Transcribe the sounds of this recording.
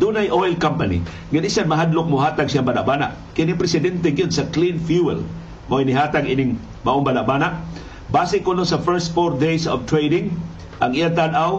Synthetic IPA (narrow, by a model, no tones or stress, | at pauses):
d̪unajʔojlkampɐnḭ | ɡanisanmɐɦad̪lʊk̚mʊɦaːt̪aɡsiambana̰ʔ̚baːna̰ʔ | kɪnipɾɛsɪd̪ɛnt̪ɛŋɡjod̪sɐklinfjuɛ̰l | moinɪɦaːt̪aɡinɪŋ | mɐʔoŋbaːnaʔbaːnaʔ | baːsɪkonosɐfɛɹst̪̚foɾd̪ejsovt̪ɾejd̪ɪŋ | ʔɐŋijat̪anaw